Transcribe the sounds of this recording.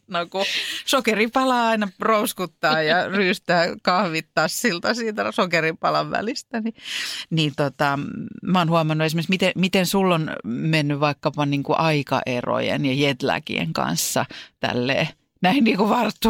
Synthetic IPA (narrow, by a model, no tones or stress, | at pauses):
nokusokeripɑlɑːɑinɑrouskut̪ːɑːjɑryːst̪æːkɑhʋit̪ːɑssilt̪ɑsiːt̪æsokeripɑlɑʋʋæ̰list̪æninint̪ot̪ɑmæoːnhuɑmɑnːuesimeksmit̪emit̪ensulːonmenːyʋʋɑikːɑpɑniːŋkuʔɑikɑ̰ʔero̰jḛnjɑjet̪læ̰kḭḛŋkɑ̰nsːɑt̪æ̰lːḛː | næinniːkuʋɑrt̪ːu